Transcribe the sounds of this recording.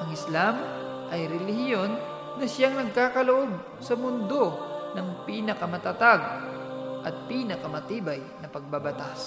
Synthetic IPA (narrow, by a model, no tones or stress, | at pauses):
ʔɐŋɪslam | ʔɐjɾɛlɪhɪjo̞nː | ɐʃjaŋnɐɡ̚kaːkɐloʔo̞b̚ | sɐmʊnd̪o̞nɐŋpiːnɐkɐmɐt̪ɐt̪aɡ̚ | ʔɐt̪̚piːnɐkɐmɐt̪iːbɐjnɐpɐɡ̚babɐt̪as